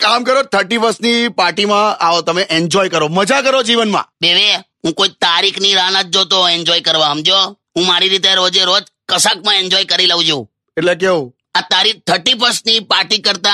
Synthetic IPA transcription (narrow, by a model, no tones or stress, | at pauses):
kamkəɾot̪ʰəɾʈipəsnipaɾʈimãaot̪əmeʔeɲd͡ʒɔjkəɾoməd͡ʒakəɾod͡ʒiʋənmã̰beʋe | ɦũkoit̪aɾikʰniɾañət̪̚d͡ʒot̪oeɲd͡ʒɔjkəɾʋaɦəmd͡ʒo | ɦũmaɾiɾit̪̬eɾod͡ʒeɾod͡ʒ | kəsak̚mãeɲd͡ʒɔjkəɾilaʋũd͡ʒo | eʈlek̬eũ | at̪aɾit̪ʰəɾʈip̬əsnipaɾʈikəɾt̪a